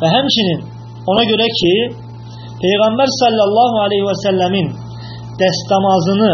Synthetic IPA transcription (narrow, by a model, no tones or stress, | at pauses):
væɦæmt͡ʃinin | onɑɟøɾæcʰi | pʰe̞jɣæmbæɾsɑlˠːɑlˠːɑːɦuælejhiwæsælːæmin | d̪̥æst̪ɑmɑzɯnɯ